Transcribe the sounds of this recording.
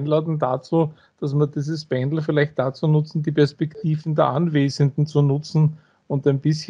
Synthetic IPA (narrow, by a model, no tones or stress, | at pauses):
nlaːdn̩da̰t͡suː | d̥as̬miɐdiːzəspɛndl̩fɪlæɪçt̚d̥at͡suːnʊt͡sn̩diːpʰɛɐspɛktʰiːvn̩dɛɐʔanveːzəndn̩t͡sunʊt͡sn̩ | ʊntæɪnb̥ɪsç